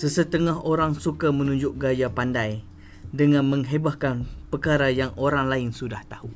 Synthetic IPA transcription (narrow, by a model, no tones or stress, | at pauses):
səsət̪əŋaɦoɾaŋsukamə̃nũɲd͡ʒʊʔɡajapandaj | dəŋãnmə̃ŋɦebahkanpəkaɾajaŋoɾaŋlaɪnsudaht̪ahu